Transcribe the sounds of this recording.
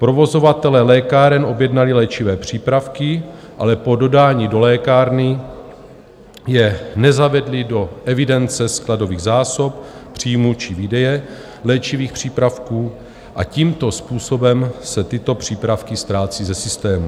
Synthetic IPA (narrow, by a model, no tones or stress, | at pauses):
pɾo̞vo̞zo̞vat̪ɛlɛːlɛːkaɾɛno̞bjɛdnalɪlɛːt͡ʃɪvɛːpr̝̥iːpɾafkɪ | ʔalɛpo̞do̞daːɲido̞lɛːkaːɾnɪ | jɛnɛzavɛdlɪdo̞ʔɛvɪdɛnt͡sɛsklado̞viːɣzaːso̞ppr̝̥iːmut͡ʃɪvidɛjɛ | lɛːt͡ʃiviːxpr̝̥iːpɾafkuː | ʔaciːmt̪o̞spuːso̞bɛmsɛt̪ɪt̪o̞pr̝̥iːpɾafkɪst̪ɾaːt͡siːzɛsɪst̪ɛːmu